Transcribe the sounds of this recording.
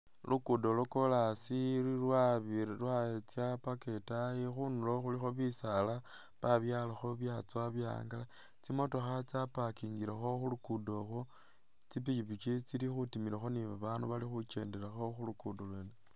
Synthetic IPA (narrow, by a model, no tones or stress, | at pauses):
lʔukudoloko̞lasiirwaβilwaet͡sjapake̞tajixunuloxulixo̞βisala | βaβjaːlaxo̞βjat͡soaβja̰ŋɡala | t͡simo̞to̞xat͡sapakiŋɡiɾaxo̞xulukudo̞xo | t͡sipit͡ʃipit͡ʃit͡silixutimiɾaxo̞niβaβaːnduβalixut͡ʃe̞ːndeɾaxo̞xulukudolweːne